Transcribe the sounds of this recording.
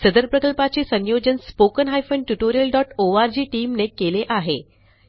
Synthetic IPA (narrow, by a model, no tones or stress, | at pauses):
səd̪əɾpɾəkəlpat͡ɕesə̃njod͡ʑənspokənɦajfəɳɖʈuʈoɾijəlɖɔʈoaɾd͡ʑiːʈiːmnekeleʔaɦe